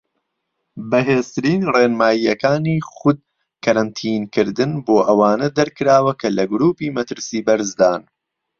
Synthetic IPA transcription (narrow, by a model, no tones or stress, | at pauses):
bɐɦeːzt̪ɨɾiːnreːnmaːjiːɐkaːniːxʊd̪̚ | kɐɾɐnt̪ʰiːnkɨɾd̪ɨnboːʔɐwaːnɐd̪ɐɾkɨɾaːwɐkʰɐlɐɡʊɾuːpiːmɐt̪ɨɾsiːbɐɾzd̪aːn